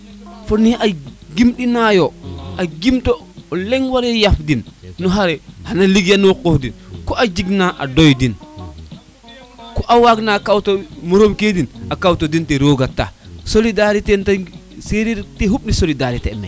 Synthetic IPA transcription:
fɔniʔaɡimɗinajɔaɡimtolɛŋwaɾɛjafdinːɔɦaɾɛhanaliɡjanokɔhdinkɔʔad͡ʒiɡnaʔa̰dɔjdin | kɔʔawaɡnakawtomoɾomkedinakawtodinteɾoːɡatːa̰solidaɾitentaseɾiɾteɦuɓ̚nisolidaɾitɛmɛ̰

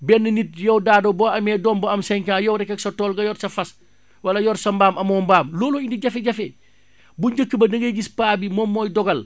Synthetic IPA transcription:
bɛnːɐnit̚jɛwdaːdobɔːɐmɛːdɔːmbɐɐmsɛŋkaːjɔwɾɛkːɛksɐtɔːlɡɐjɔɾsɐfɐs | wɐlɐjɔɾsɐmbaːmʔɐmɔːmbaːmlɔːluindiɟɐfeɟɐfe | buɲɟəkːəbɐdɐŋɡɐjɡispaːbimɔmːɔːjdɔɡɐl

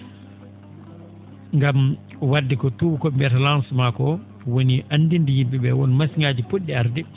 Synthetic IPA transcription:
ŋɡam | wadːikɔtuwukɔmbɛtalansmakɔ | woniʔanːdindijimbiɓɛwɔnmasiŋaːd͡ʒipuɗːiaɾdi

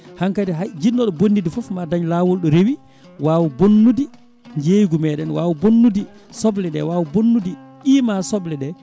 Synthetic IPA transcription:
haŋkadiɦajd͡ʒinːɔɗɔbonːidifɔfmadaɲlawɔlɗɔɾewi | waːwubonːudi | ɲd͡ʒejɡumɛːɗɛnwaːwubonːudi | sɔblɛɗɛ̰wawubonːudiɗiːmasɔblɛɗɛ

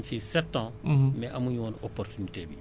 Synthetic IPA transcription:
mfisɛtːãːmɛʔamuɲoːnoportunitebi

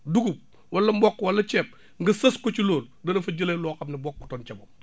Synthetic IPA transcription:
duɡup̚ | wɐlːɐmbɔkːwɐlːɐt͡ʃɛːp̚ | ŋɡɐsɐskot͡ʃiloːldɐnɐfɐɟəlelɔːkɐmnibɔkːu̥tɔːnt͡ʃɐbom

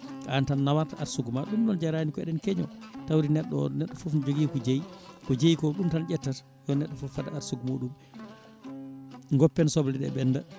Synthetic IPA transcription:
ʔantanːawaɾtaaɾsuɡmaɗumɗɔnd͡ʒaɾanikɔɛɗɛnkɛɲɔtawɾinɛɗːɔnɛɗːɔfufnd͡ʒoɡikɔd͡ʒejikɔd͡ʒejkɔɗumtand͡ʒɛtːat | jɔnɛɗːɔfɔfadaaɾsuɡmoɗum | ŋɡɔpːɛnsɔblɛɗɛ̰ɓɛnːda

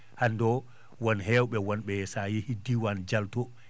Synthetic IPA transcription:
handɔ | wɔnɦɛːwɓɛwɔnɓɛsajihidiwand͡ʒaltɔ

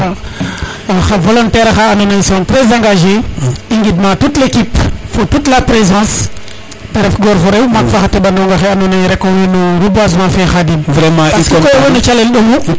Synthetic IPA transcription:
a | axavolontɛɾxaːnonajsɔ̃tɾezãŋɡaʒeiŋɡidmãtutlekipfotutlapɾezãs | teɾɛfɡoɾfoɾewmakfaxatebanoŋɡaxeanonajɾekowenoɾubazmãfexadinvɾemãpaskkojowenot͡ʃalelɗomu

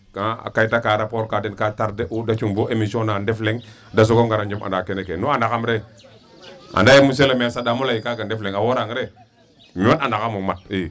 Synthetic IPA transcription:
kaa̰kaitakaɾapoɾkadenkataɾdeʔudat͡ʃuŋboemisonandefleŋ | das̬ukoɡaɾand͡ʒima̰dakenekenoandakamɾe | a̰ndajemus̬elamiasadamulaikakandefleŋawoɾaŋɾe | miwatandakamumat̚i

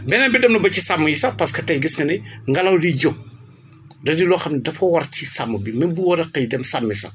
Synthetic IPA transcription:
bɛnɐnbidɐmnubɐcisɐmːujisɐpɐskɐtɐjɡiskɐnɛŋɡɐlɐwdiɟok̚ | dɐdilɔːxɐmnidɐfɐwɐrcisɐmːubimɐnbuwɐɾɐkɐjdɛmsɐmːisɐ̰

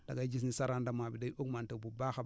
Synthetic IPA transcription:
d̥aɡad͡ʒinisaɾandamabidaokmantebubaxa

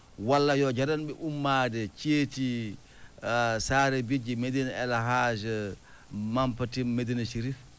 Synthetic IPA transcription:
walːajɔd͡ʒaɾanbɛʔumːadɛt͡ʃeːti | saːɾɛbid͡ʒɛmedinaɛlaɦad͡ʒɛ | mampatimmedinaʃiɾif

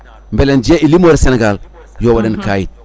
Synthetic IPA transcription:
mbelend͡ʒieʔilimoɾseneɡal | joːwadenkajit̚

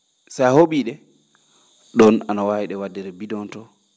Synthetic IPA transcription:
sajhoɓiːɗɛ | ɗɔna̰nawahiɗɛwadːɛɾɛbidɔntɔ

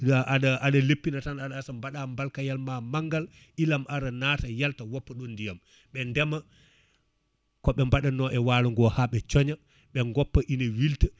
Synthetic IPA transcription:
aɗaaɗalepːinatanaɗaːsambaɗambalkajalmamaŋɡal | ʔilamʔaɾanaːtajaltawɔpːaɗɔndijam | ɓɛndɛma | kɔɓɛmbaɗanɔʔɛwaluŋɡɔhaɓɛt͡ʃɔɲa | ɓɛŋɡɔpːaʔinawilta

